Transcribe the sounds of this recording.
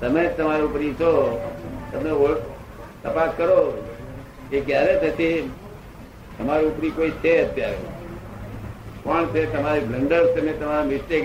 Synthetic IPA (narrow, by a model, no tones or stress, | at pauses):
t̪əmet̪əmaɾiupɾit͡ʃʰo | t̪əmeo | t̪əpaskəɾo | kekjaɾet̪ət̪i | t̪əmaɾĩupɾikoit͡ʃʰeət̪jaɾḛ | kɔɳt͡ʃʰet̪əmaɾibləɳɖəɾst̪əmẽt̪əmaɾamɪsʈe